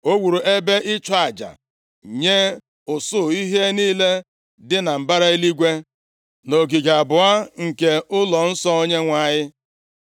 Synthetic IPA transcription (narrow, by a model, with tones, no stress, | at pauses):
o˦wu˨ɾu˨ʔe˦be˦ʔɪ˦t͡ʃa˨d͡ʒa̰˨ | ɲe˦ | ʊ˨sʊ˦i˦ɦe˦niː˦le˦ | dɪ˦na˨m̩˨ba˦ɾa˦i˦li˦ɡʷe˦ | no˨ɡi˨ɡa˨a˨bʊ˨a˦ŋ̩˨ke˨ʊ˦lɔ˨n̩˦sɔ˦o˦ɲe˦ŋʷa˦˨ɲɪ˦